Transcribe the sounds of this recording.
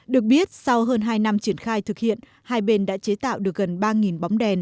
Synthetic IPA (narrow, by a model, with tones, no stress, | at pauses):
ɗɨ˨˩ək̚ɓi˦˥ət̚sa˧wɦəː˧nɦaː˧jna˧mt͡ɕi˧˩ənxaː˧jt̪ʰɨ˨˩k̚hḭ˧˨ən | haː˧jɓe˧nɗa̰ː˧˥t͡ɕe˨˦t̪a̰ː˧˨wɗɨ˨˩ək̚ɣə˨˩nɓaː˧ŋi˨˩nɓa˨˦wŋ͡mɗɛ˨˩n